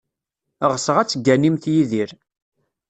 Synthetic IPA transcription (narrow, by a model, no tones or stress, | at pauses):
ʁsəʁæt͡sːəɡːænimθjiðiɾ